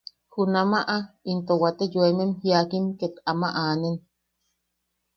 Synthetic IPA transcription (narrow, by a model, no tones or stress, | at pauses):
hunamaʔaint̪owat̪ejoememhiakimket̪amaʔaːnen